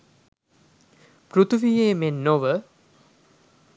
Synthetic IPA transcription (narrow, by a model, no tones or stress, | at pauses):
prut̪ʰuʋijeːmenːoʋə